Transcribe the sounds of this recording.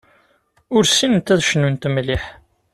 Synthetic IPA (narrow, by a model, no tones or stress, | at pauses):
ʊɾsinənt̪ːæðʃnunt̪mliħ